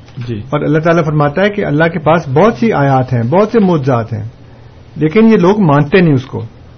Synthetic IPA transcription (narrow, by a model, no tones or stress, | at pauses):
d͡ʒiːɔːɾɐlːaɦt̪̬aːlafɐɾmaːt̪aɦɛkiɐ̰lːaɦkepaːsbɔːt̪siʔaːjaːt̪ɦɛ̃bɔːt̪semʊːt̪zaːt̪ɦɛ̰̃ː | leːkɪnjeloːɡmãːnt̪enĩʊsko̰ː